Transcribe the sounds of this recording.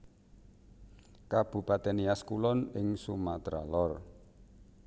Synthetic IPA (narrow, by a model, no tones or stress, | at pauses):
kab̥ṳpat̪ɛniaskulɔnɪŋsumat̪ɾa̰lɔr